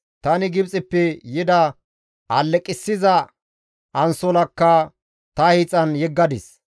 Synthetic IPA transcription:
t̪ɐnɪɡɪbt͡sʼɪpːɛjɪd̪ɐ | ʔɐlːɛkʼɪsːɪzɐ | ʔɐnsɔlɐkːɐ | t̪ɐhit͡sʼɐnjɛɡːɐd̪ɪs

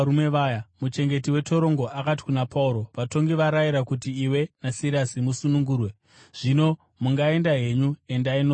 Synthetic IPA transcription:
umeʋaːjamut͡ʃe̞ŋɡe̞tiwe̞to̞ɾo̞ŋɡo̞ʔakat̬i̥kunapauɾo̞ʋato̞ŋɡiʋaɾaiɾakutiːwe̞nasilasimusunuŋɡuːrwe̞ | ʐ̥ino̞ | muŋɡae̞ndaɦe̞ɲue̞ndainoː

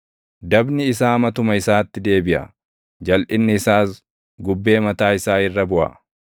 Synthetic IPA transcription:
d̪ɐbnɪːsaːmɐt̪ʊmɐɪsaːt̪ːɪd̪e̞ːbɪʔɐ̰ | d͡ʒɐlʔɪnːɪːsaːs | ɡʊbːe̞ːmɐt̪aːɪsaːɪrːɐbʊʔa̰

